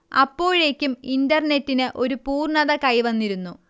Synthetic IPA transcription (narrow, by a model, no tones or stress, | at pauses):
ɐ̰pːo̞ːɻe̞ːkʲːumindɐrne̞tːinɨʔo̞ɾupuːrɳɐðɐkɐjʋɐnːiɾunːu